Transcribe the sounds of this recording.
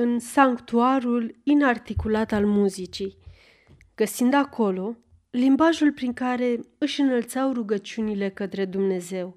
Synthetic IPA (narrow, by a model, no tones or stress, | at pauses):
ɨnsaŋkt̪uaɾulinart̪ikulat̪almuzit͡ʃij | ɡ̥əsind̪akʰo̞lo̞ | limbaʒulpɾiŋkaɾe̞ | ɨʃɨnəlt̪sawruɡət͡ʃiunile̞kət̪ɾe̞d̪umne̞ze̞w